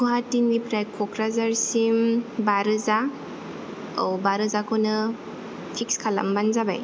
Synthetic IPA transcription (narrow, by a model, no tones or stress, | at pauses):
kʰuɦatːinɡipɾajkʰɔkɾazaɾsimbaɾɯza | a̰wbaɾɯzakʰonɯ | pʰikskʰala̰mbanzaba̰j